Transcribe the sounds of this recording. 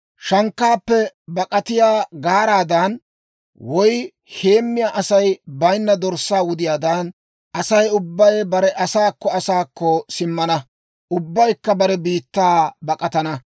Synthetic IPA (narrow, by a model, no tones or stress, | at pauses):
ʃɐŋkːaːpːɛbɐkʼɐt̪ɪjaːɡaːɾaːd̪ɐn | wɔj | he̞ːmːɪjaːʔɐsɐjbɐjnːɐd̪ɔɾsːaːwʊd̪ɪjaːd̪ɐn | ʔɐsɐjʊbːɐjbɐɾɛʔɐsaːkːɔɐsaːkːɔsɪmːɐnɐ | ʔʊbːɐjkːɐbɐɾɛbiːt̪ːaːbɐkʼɐt̪ɐnɐ